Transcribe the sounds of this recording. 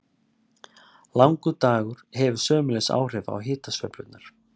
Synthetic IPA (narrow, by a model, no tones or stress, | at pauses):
lawŋkʏt̪aːɣʏɾ̥hɛvʏ̥sœːmʏɪlɛsa̰ːwr̥ɛva̰wɦɪːt̪asfvœ̰plʏ̰t̪naɾ̥